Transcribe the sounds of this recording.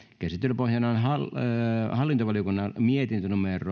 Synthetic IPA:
kæsit̪ːylpohjɑnɑːnhɑlhɑlːint̪oʋɑljokunːɑmiet̪int̪ynumerˑo

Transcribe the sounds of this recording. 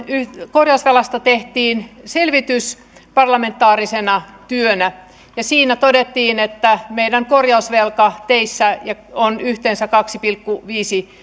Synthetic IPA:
ykorjɑusʋelɑst̪ɑt̪eht̪iːnselʋit̪ys | pɑrlɑment̪ːˑɑːrisenɑt̪yønæ | jɑsiːnæt̪odet̪ːiːnet̪ːæmeidæŋkorjɑusʋelkɑt̪eisːæjɑonyht̪ensækɑksipilkːuʋiːsi

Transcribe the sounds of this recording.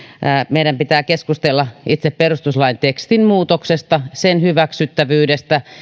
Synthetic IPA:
meiɾæmpit̪æːkeskust̪elːɑit̪sepperust̪uslɑint̪ekst̪inmuːt̪oksest̪ɑsenhyʋæksyt̪ːæʋyːdest̪æ

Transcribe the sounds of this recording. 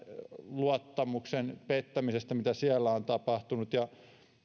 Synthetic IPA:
luɑt̪ːɑmuksenpet̪ːæmisest̪ɑmit̪æsiælːæont̪ɑpɑht̪unut̪jɑ

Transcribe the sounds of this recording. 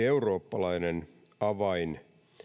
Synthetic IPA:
euro̞ːpːɑlɑinen | ɑʋɑin

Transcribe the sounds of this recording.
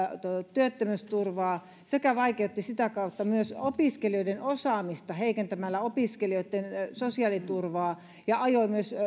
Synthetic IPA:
t̪t̪yøt̪ːømøst̪urʋɑː | sekæʋɑikeut̪ːisit̪ækɑˑut̪ːɑmyøsopiskelioidenosɑːmist̪ɑheikent̪æmælːæopiskelioˑit̪ːensosiɑlit̪urʋɑː | jɑɑjoimyøs

